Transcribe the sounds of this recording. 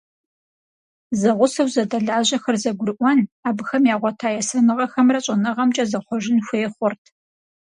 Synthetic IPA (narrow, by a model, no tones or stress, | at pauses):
zɐʁʷʊsɐwzɐdɐɮaːʑɐxɐrzɐɡʷʊrɨʔʷɔnaːbɨxɐmjaːʁʷɔtʰaːjɛsɐnɨʁɐxɐmrɐɕʼɐnɐʁɐmt͡ʃʼɐzɐχʷɔʒɪnxʷeːχʷɔrtʰ